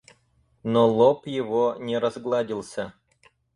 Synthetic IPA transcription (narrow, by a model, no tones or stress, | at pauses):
nolˠopjɪvonʲeɾɐzɡlˠadʲilˠsʲa